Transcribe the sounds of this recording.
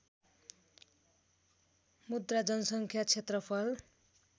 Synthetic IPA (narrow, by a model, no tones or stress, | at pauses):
mud̪rad͡zʌnʌsʌŋkʰjat͡sʰet̪rʌpʰʌl